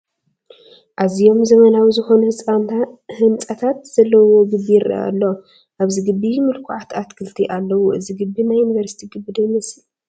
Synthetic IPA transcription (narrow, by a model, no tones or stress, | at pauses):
ʔazijo̞mzɐmɐnawizɨxo̞nuhɨsʼant̪ʰahɨnt͡sʼɐt̪ʰat̪z̥ɐlːɐwo̞ɡɨbːijɾʔɐ̰a̰lːo | ʔaβziɡɨbːimɨlkʰuʕat̪ʰat̪kʰɨlt̪ʰiʔalːɐwuʔɨziɡɨbːinajːunivɐɾsi̥t̪ʰiɡɨbɨd̪ɐnɐsi